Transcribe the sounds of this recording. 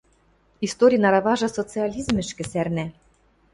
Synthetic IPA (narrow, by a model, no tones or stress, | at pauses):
ist̪oɾʲijnɑɾɑβɑʒɤ̆sot͡sɨɑlʲizmɘ̆ʃkɘ̆særnæ